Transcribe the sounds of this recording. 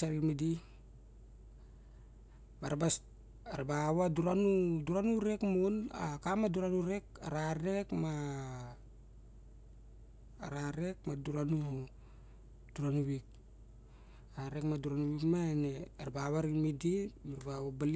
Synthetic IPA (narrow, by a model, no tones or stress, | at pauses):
aɾimidi | baɾabas | aɾabawaduɾanuduɾanuɾekmuna̰kamaduɾanuɾekaɾaɾe̞kma | ɾaɾek̚maduɾanu | d̥uɾanuβik̚ | aɾekmaduɾanuβikmaeneaɾabawaɾimidimaɾbawabal